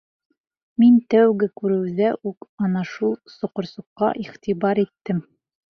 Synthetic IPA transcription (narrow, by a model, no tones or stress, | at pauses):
mint̪æwɡɘkʉɾɘ̆wðæʔʉkɒnɑʃulˠsŏqŏɾsŭqːɑ̰ʔiχt̪ibɑɾit̪ːɘm